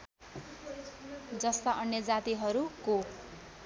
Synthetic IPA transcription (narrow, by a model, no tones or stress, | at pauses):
d͡zʌst̪aʔʌnjʌd͡zat̪iɦʌɾuko